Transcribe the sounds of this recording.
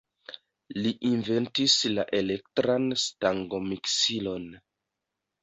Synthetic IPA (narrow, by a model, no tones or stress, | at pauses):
liʔinve̞ntislaʔe̞le̞ktɾanstaŋɡo̞miksilo̞n